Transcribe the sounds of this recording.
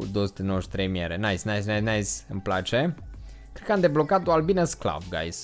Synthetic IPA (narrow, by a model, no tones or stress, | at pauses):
d̪oosu̥t̪enoʃt̪ʲt̪ɾejmieɾenaisʲnaisʲnanaisʲɨmplat͡ʃe | kɾed̪kəamd̪eblo̞kat̪oalbinəskla̰vɡa̰js